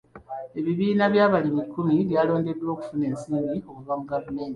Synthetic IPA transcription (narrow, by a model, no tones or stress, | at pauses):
e̞βiβiːnaβjaːβalimikːumiβjaːlo̞ːŋnde̞dwo̞ːku̥fune̞ːnsiːmbio̞kuvamuɡavume̞ːnti̥